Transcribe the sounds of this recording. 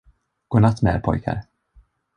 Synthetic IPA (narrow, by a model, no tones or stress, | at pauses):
ɡ̥oːnat̪ːmɛɾpʰɔ̰jkʰa̰ɾ